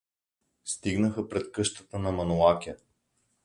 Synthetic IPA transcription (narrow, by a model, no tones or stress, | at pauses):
st̪iɡnəxəpɾɛt̪kɤʃt̪ət̪ənɐmɐnolˠakʲə